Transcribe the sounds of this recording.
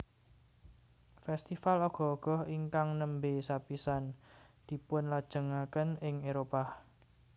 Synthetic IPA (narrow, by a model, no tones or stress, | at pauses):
fɛst̪ifalɔɡ̥ɔ̤ɔɡ̥ɔ̤hiŋkaŋnəmbesapisand̪̥i̤pʊnlad̥ʒ̥ə̤ŋakənɪŋeɾopah